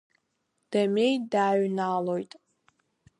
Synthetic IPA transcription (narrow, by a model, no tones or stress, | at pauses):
d̥amejdaːɥnaːlojtʼ